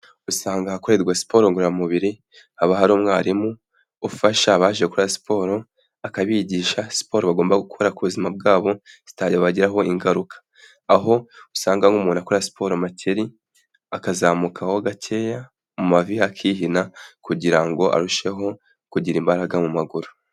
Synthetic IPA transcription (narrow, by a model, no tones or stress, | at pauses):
usaːŋɡahakoɾe̞ɾɡwasi̥po̞ɾoŋɡuɾamuβiɾi | haβaɦaɾuːmŋaːɾimu | ufaʃaβaːʒeekuɾasi̥pʰo̞ːɾo̞ | akaβiːɟiːʃasi̥po̞ɾoβaɡo̞ːmbaɡukʰoɾakuβuzimab̚ɡaːβo̞z̥i̥taɟiaβaɟiɾaɦo̞iŋɡaɾukʰḁ | aɦo̞usaːŋɡaŋɡumuːnakoɾasi̥pʰo̞ɾomatʰeɾi | akazaːmukʰaho̞ɡatʰeja | mumavihakʰiːɦinakuɟiɾaŋɡo̞ʔa̰ɾuʃe̞ɦo̞ | kuɟiɾimbaɾaɡamumaɡuɾu̥